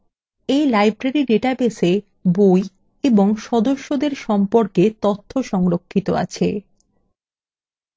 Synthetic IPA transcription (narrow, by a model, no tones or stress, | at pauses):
ejlajbɾaɾiɖeʈabese | boj | eboŋʃɔd̪oʃːod̪eɾʃɔmpoɾket̪ot̪ʰːoʃɔŋɾokʰːit̪oa̰t͡ɕʰe